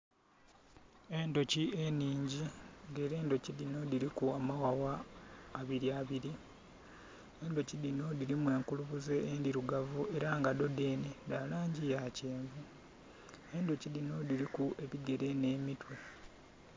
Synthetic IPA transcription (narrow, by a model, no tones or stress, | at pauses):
e̞ndo̞cie̞niːɲɟiŋɡe̞ːɾe̞ːndo̞cilino̞diɾikuamawawaː | βiɾiaːβiɾi | endo̞cidino̞diɾimwe̞ːŋkuluβuze̞endiɾuɡavue̞ɾaŋɡado̞de̞ːnedalaːɲɟijaːce̞ːɱvu | e̞ndo̞cilino̞diɾikuʔe̞βiɡe̞ɾe̞ne̞ːmitwe